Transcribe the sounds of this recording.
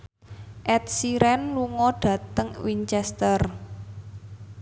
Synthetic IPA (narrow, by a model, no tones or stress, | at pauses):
ʔɛt̪̚siɾɛnluŋɔɖ̥ä̤t̪əŋwiɲt͡ʃɛst̪ər